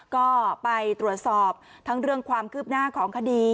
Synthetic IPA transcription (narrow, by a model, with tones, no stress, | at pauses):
kɔː˥˩pa˧jt̪ɾu˨˩ət̪̚sɔː˨˩p̚ | t̪ʰa˦˥ŋɾɯ˥˩əŋkʰwaː˧mkʰɯː˥˩p̚naː˥˩kʰɔː˩˦ŋkʰa˧diː˧